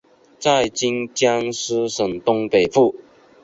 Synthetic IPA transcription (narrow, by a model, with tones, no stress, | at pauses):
t͡sa˥˨˩ɪt͡ɕi˥ŋt͡ɕja˦ŋs̩˥ʂə˨˩ŋt̪ʊ˥ŋpe˨˩ɪfu˥˩